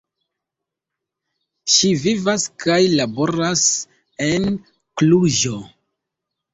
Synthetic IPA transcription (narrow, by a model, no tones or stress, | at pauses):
ʃivivaskʰajlabo̞ɾas | e̞n | kluʒo̞